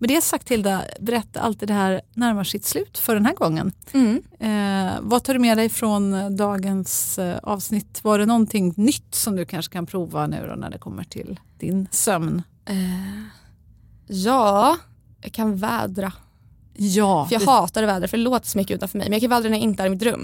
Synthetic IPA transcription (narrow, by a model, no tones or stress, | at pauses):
mɛnɛhasak̚t̪ʰːɪld̪abɛɾɛt̪ːa̰ʔa̰lt̪iːd̪ɛhæːɾnæɾmaʂɪt̪slʉ̟ːt̪fœɖɛnɦæːɡɔŋːə̰n | vat̪ʰɑːɖɵmɛd̪ɛjfɾɔnd̪ɑːɡənsɑ̰ːvsnɪt̪ːvaɖɛnɔnt̪ʰɪŋnʏt̪ːsɔmd̪ɵkʰanʂə̥kʰanpʰɾuːvanʉ̟̰ːd̪ɔ̰næ̰ɖɛkʰɔmːəʈʰɪ̰ld̪̥ɪ̰nsœmn | ɛ | jɑː | jɑ̰kʰanvɛ̰ːd̪ɾa | jɑːfjɑːɡhɑːt̪aɾɔvɛːd̪ɾafœɖɛloːt̪ə̥sɔmʏkːəʉ̟ːt̪anfœmɛ̰jmɛnjakʰanvɛld̪ɾanɛjaɪnt̪əæːɾɪmɪt̪ɾɵ̰mː